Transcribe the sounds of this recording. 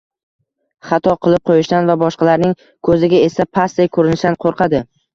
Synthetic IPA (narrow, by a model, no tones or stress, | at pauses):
χɑt̪ʰɒqʰɨlˠɪp̚qʰojɪʃt̪anvabɒʃqɑlaɾnɪŋ | kʰɵzɪɡʲae̞sapʰasejkʰɵɾɪnɪʃd̪anqʰoɾqʰɑd̪ɪ